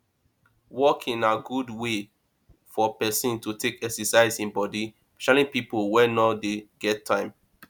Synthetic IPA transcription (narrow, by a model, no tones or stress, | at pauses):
wɔkʰĩnaɡudwe | fɔpɛsĩntutʰekɛksɛsaɪzĩnbɔdi | pɛ̥ʃalĩnpipolwɛnɔdeɡ̥ɛtʰːãɪ̃m